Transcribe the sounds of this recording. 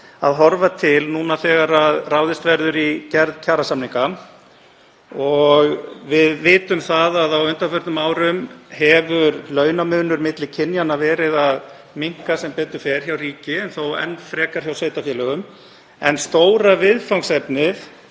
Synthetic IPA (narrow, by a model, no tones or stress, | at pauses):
a̰ðɦɔɾvat̪ʰɪlnuːnaθɛːɣaɾaðraːwðɪst̪vɛɾðʏɾicɛɾðcʰaːɾasamniŋka | ɔɣvɪðvɪːt̪ʏmθaðaðawʏnt̪afœɾt̪nʏmaːwɾʏmhɛvʏɾlœːɥnamʏːnʏɾmɪt̪lɪcʰɪnjanavɛːɾɪðað | miŋ̥kasɛmpɛːt̪ʏ̥fɛɾ̥çawriːcɪɛnθowɛ̰nːfɾɛːkaɾ̥çawseːjt̪afjɛːlœɣʏm | ɛnst̪oːwɾavɪðfawŋsɛpnɪθ